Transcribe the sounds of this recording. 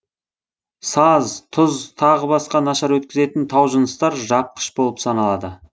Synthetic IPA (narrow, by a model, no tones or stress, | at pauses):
sɑzt̪ʰʊzt̪ʰɑʁəbɑsqɑnɑʃɑɾwɵt̪kʲɪze̞t̪ɪnt̪ʰɑwʒənəst̪ɑɾʒɑp̚qʰə̥ʃbo̞lˠəpsɑnɑlˠɑd̪ə